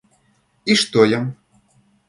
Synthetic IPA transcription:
iʃt̪ojə̆m

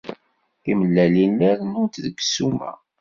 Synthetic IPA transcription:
iməlːælinːəɾnʊnt̪ðəɡsumæ̰

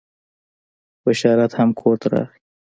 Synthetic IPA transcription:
bəʃɑɾat̪hamkʰoɾt̪aɾɑ̰xi

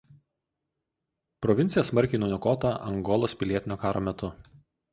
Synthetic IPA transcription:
pɾɔʋʲɪnʲsʲɪjɛsmɐɾʲˑkʲɛɪnʊːnʲʊkɔːt̪ɑʔɐ̰ŋɡɔlˠoːspʲɪlʲiɛt̪ʲɪnʲoːkɑːɾoːmʲɛt̪ʊ

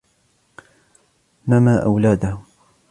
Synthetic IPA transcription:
maːmaːʔa̰wlaːd̪a

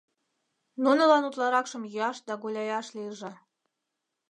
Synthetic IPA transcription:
nunɤ̆lɑnut̪lˠɑɾɑkʃɤ̆mjɑʃd̪ɑɡulʲɑjɑʃlʲirʒɤ̆

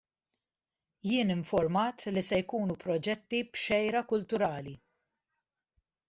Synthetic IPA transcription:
jɪːnɪɱfɔɾmɐːt̪lisɛjkuːnupɾɔd͡ʒɛt̪ːibʃɛjɾɐkʊlt̪ʊɾɐːli

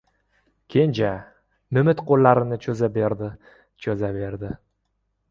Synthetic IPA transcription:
kʲʰe̞nd͡ʒa | mɪmɪt̪qʰolːaɾɪnɪt͡ʃʰɵzabeɾd̪ɪ | t͡ʃʰɵzabe̞ɾd̪ɪ

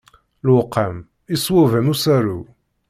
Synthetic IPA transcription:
lwqʰːæm | isˤwævænusæɾu

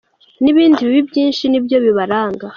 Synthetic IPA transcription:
niβiːndiβiβibjiːnʃinibjo̞βiβaɾaːŋɡa

